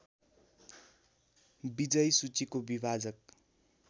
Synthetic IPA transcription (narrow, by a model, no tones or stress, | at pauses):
bid͡zʌjsut͡sikobibʱad͡zʌk̚